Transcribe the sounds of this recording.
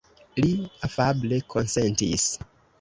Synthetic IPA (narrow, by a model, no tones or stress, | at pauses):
liafablekʰonsentḭs